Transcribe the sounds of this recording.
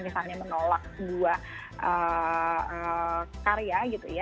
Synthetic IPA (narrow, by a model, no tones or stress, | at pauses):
misalɲamənolak̚dua | ʔə | əkaɾeaɡit̪uja